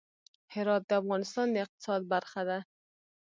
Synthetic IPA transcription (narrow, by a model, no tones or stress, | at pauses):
hɪɾɔt̪̚d̪ɪafɣɑnɪst̪ɑnd̪aɪq̚t̪ɪ̥sɑd̪̚baɾxad̪a